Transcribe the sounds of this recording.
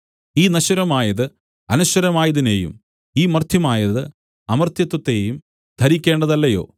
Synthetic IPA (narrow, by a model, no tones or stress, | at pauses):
iːnɐɕɐɾɐmaːjɐðɨ | ɐnuɕɐɾɐmaːjɐðine̞̰ːjṵm | iːmɐrt̪ʰjɐmaːjɐðɨ | ɐmɐrt̪jɐt̪ːɐt̪ːe̞ːjum | d̪ʱɐɾikʲːe̞ːɳɖɐðɐlːɐjo̞̰ː